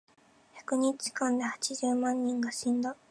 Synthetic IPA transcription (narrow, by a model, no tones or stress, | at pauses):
çḁkɯ̟ɲ̟it͡ɕi̥kãnd̪e̞hat͡ɕiʑɨːmãɲ̟ːĩŋɡaɕĩnd̪a